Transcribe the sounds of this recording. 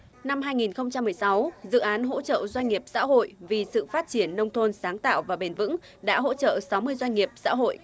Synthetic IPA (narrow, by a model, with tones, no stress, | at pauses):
na˧mɦaː˧jŋi˨˩nxə˧wŋ͡mt͡ɕa˧mːɨ˨˩əjsa˨˦wzɨ̰˧˨ʔaː˨˦nɦo̰˧˥t͡ɕə̰ː˧˨zwa˧ŋ̟ŋi˨˩əp̚sa̰ː˧˥ɦo̰˧˨jvi˨˩sɨ̰˧˨faː˦˥t̚t͡ɕi˧˩ənːə˧wŋ͡mt̪ʰo˧nsaː˨˦ŋt̪a̰ː˧˨wvaː˨˩ɓe˨˩nvɨ̰˧˥ŋ | ɗa̰ː˧˥ɦo̰˧˥t͡ɕə̰ː˧˨sa˨˦wmɨ˧əjzwa˧ŋ̟ŋi˨˩əp̚sa̰ː˧˥ɦo̰˧˨jʔ